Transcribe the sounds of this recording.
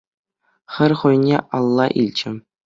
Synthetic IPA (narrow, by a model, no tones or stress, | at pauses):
χʲɘ̆rʲχŭjnʲḛɑlˠːɑʔilʲt͡ɕɘ̆